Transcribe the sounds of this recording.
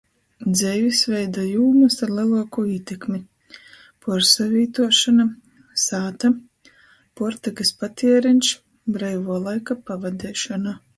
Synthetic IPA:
d̪zɛjvʲisvɛjd̪ajuːmasaɾlilˠaːkuiɛt̪ʲekmi | pɔɾsavʲiːt̪uɔʃana | saːt̪a | pɔɾt̪akaspat̪ʰiɛɾinʃ | bɾɛjvuɔlˠajkapavad̪ɛːʃɔna

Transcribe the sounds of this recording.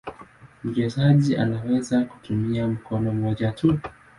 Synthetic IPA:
m̩t͡ʃɛzaʄiʔa̰nawɛzaku̥tumiam̩kʰɔnɔmɔʄatʰu

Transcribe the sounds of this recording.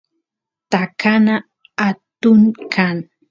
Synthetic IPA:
t̪akanaː | t̪ʊŋkʰaŋ

